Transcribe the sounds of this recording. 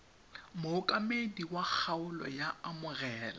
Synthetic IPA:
mʊʊkʼamediwak͡xʰaʊlɔ̰jaamʊrɛːla

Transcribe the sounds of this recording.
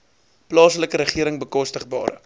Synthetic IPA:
plɑːsələkəɾəχiəɾəŋbəkɔstəχbɑ̰ːɾə

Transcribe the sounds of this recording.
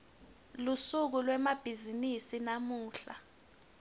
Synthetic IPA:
lusuk̬ulwɛmab̥ʱizinisinamuːɬa

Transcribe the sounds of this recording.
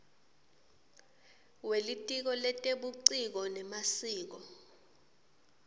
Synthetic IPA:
welitʼik̬ɔlɛtʼeɓuǀik̬ɔnɛmasiːk̬ɔ

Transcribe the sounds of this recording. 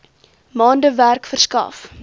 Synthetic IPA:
mɑːndəværkfərskɐ̰f

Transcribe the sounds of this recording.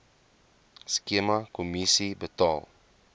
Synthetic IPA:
skimɐkomisibətɑːlˠ

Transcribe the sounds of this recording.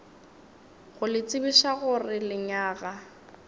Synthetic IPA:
ɣʊlɪt͡sʼɪbiʃaɣʊrɪlɪɲaːɣa

